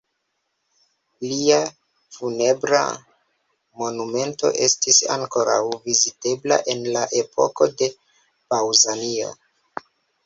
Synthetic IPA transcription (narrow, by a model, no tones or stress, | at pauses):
lia | fune̞bɾa̰ | mo̞nume̞nto̞̰ʔe̞stisa̰ŋko̞ɾa̰wvizite̞bla̰ʔe̞nlaʔe̞pʰo̞̰ko̞de̞ | bawzanio̞̰